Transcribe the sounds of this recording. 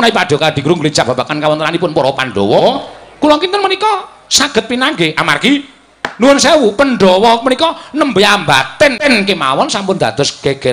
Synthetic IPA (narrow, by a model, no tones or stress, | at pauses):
naipaɖ̥ɔ̤kad̪̥i̤kuɾuŋɡuli̥t͡ʃab̥a̤b̥akankawɔnt̪ənanipʊnpɔɾɔpanɖɔwɔkulɔŋkint̪ənmənikɔ | saɡ̥ə̤t̪̚pinaŋɡeʔamarki | nuwənsɛwupənɖɔwɔmənikɔnəmbəambat̪ɛnɛnkemawɔnsampʊnd̪ad̪̥ɔ̤sɡ̥eɡ̥ɛt